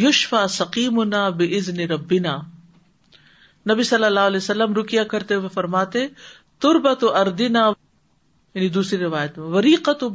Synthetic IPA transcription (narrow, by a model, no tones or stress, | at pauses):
jʊʃfaːsɐqiːmʊnaːbɪʔɪznɪɾɐbːɪnaː | nɐbisɐlːɐlːaːɦɐleːsɐlːəmɾʊkijakɐɾt̪eʋefɐɾmaːt̪e | t̪ʊɾbɐt̪ʊʔɐɾd̪ɪnaː | jɐnid̪uːsɾiɾɪʋaːjət̪mẽʋɐɾiːqɐt̪ʊ